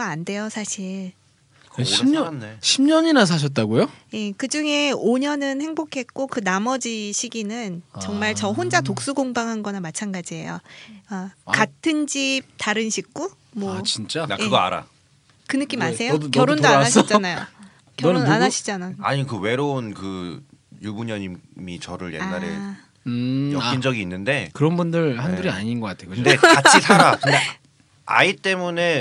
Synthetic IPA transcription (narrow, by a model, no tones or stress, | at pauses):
aande̞josʰaɕʰiɭ | kmɲʌɕʰimɲʌɲinas̬ʰaɕ̬ʰʌt̚t͈aɡojoje̞kɯd͡ʑuŋe̞oɲʌnɯnhe̞ŋbokʰe̞t̚k͈okɯnamʌd͡ʑiɕʰiɡinɯnt͡ɕʌŋmaɭt͡ɕʌɦond͡ʑat̬ok̚s͈uɡoŋbaŋɦanɡʌnamat͡ɕʰanɡad͡ʑie̞̰jo̰akatʰɯnd͡ʑip̚taɾɯnɕʰik̚k͈u | mwʌt͡ɕint͡ɕ͈ajeɡʌa̰ɾa̰ | kɯnɯk͈imasʰe̞jokjjʌɾondoaanaɕs̬ʰʌd͡ʑanajo | kjʌonanaɕʰi̥d͡ʑanaa̰ɲikɯwe̞ɾounkɯ | jubuɲʌɲimmit͡ɕʌɾɯɭje̞̰nːaɾḛ | ɯjʌind͡ʑʌɡiːnːɯnde̞kɯɾʌnbundɯɾhanɡuɾiaɲinɡʌk͈atʰejokɯndeaisʰaɾakɯa | a̰it͈e̞mune̞